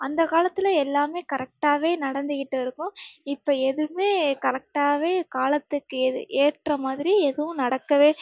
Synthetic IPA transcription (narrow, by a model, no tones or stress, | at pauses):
ɐnd̪ɐkaːlɐt̪ːɪlɐɛlːaːmeːkɐɾɛk̚ʈaːʋeːnɐɽɐnd̪ɯɣɪʈːɯɪɾɯkːʊ̃ɪpːoːɛðɯmeːkɐɾɐk̚ʈaːʋeːkaːlɐt̪ːɯkːɯɛðɯ̰ʔeːʈrɐmaːðɪɾiɛðɯʋʊ̃nɐɽɐkːɐʋeː